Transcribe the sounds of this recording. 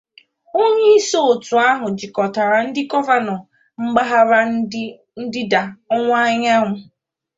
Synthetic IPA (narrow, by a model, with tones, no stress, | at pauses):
o˦ɲe˦i˦so˦o˨tʊ˨a˦ɦʊ˨d͡ʒɪ˨kɔ˨ta˨ɾa˨n̩˦dɪ˦kɔ˦va˦nɔ˨ | ŋ͡m̩˦ɡ͡ba˦ɦa˦ɾa˦ | n̩˦dɪ˦da˨ɔ˦ŋʷ˦a˦ɲa˦ŋʷʊ˨